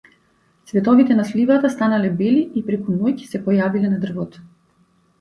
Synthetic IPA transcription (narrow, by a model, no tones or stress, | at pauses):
svɛt̪ɔvit̪ɛnaslivat̪ast̪analɛbɛliipɾɛkunɔjcsɛpɔjavilɛnad̪r̩vɔt̪